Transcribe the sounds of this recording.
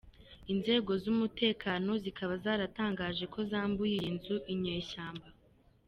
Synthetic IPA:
inze̞ːɡo̞zumute̞ːkaːno̞zikʰaβazaːɾataːŋɡaːʒe̞ko̞zaːmbujiinzuʔiɲeʃaːmba

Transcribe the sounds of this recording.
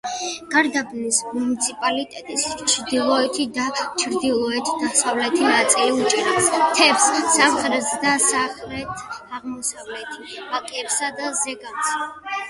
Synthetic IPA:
ɡ̥aɾd̪abnismunit̪sʰipʼalit̪ʼɛt̪ʼist͡ʃʰɾd̪ilˠɔɛt̪ʰid̪at͡ʃʰɾd̪ilˠɔɛt̪ʰd̪asavlɛt̪ʰinat̪sʼiliut͡ʃʼɾapst̪ʰɛpssamχɾɛsd̪asaχɾɛt̪ʰaʁmɔsavlɛt̪ʰib̥akʼɛpsad̪azɛɡams

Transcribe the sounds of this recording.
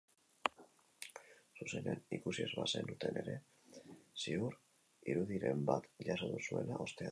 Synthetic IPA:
suse̞nenikusiezβase̞nut̪e̞ne̞ɾe̞ | siuɾ | iɾuð̞iɾe̞mbat̪ʎasoðusue̞laʔo̞st̪ea

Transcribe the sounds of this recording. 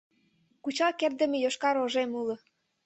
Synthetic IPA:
kut͡ɕɑkerd̪ə̆mĕjoʃkɑɾoʒemulɤ̆

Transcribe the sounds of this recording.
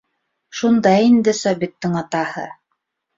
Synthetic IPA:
ʃund̪ɑjind̪ɘsɑβit̪ːɘŋɑt̪ɑhɤ̰

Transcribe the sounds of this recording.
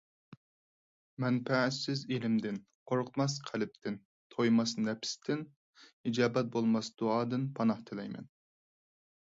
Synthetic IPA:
mɛnpæɪsɪzelɪmd̪ɪn | qʰoɾqʰmɑs̬qʰælɪp̚t̪ʰɪn | t̪ʰojmɑsnɛpʰɪ̥st̪ʰɪn | id͡ʒɑːbɛt̪̚bolˠmɑsd̪̥uɑːd̪ɨnpʰɑnɑht̪ʰɪlɛjmɛ̰n

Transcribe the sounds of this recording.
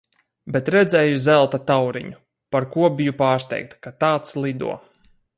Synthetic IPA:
bɛt̪ɾɛd̪zʲɛːjuzɛlˠt̪at̪awɾḭɲu | paɾkuɔbijupaːɾst̪ɛ̰jk̚t̪kat̪aːt̪slˠid̪ṵɔ

